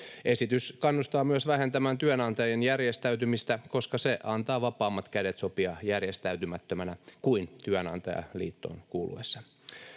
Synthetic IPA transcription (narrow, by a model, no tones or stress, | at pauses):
ʔesit̪yskɑnːust̪ɑːmyøsʋæhent̪æmænt̪yønɑnt̪ɑjenjærjest̪æyt̪ymist̪ækoskɑseʔɑnt̪ɑːʋɑpɑːmːɑt̪kædet̪sopiɑjærjest̪æyt̪ymæt̪ːømænækuint̪yønɑ̰nt̪ɑ̰jɑ̰lḭːt̪ːo̰ːnkuːlʔṵesːɑ